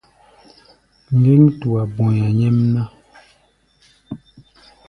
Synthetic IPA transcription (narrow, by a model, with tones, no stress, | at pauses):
ŋ̩˨ɡi˦ŋtu˨a˨bo˨ɲa˨ɲɛ˦mna˦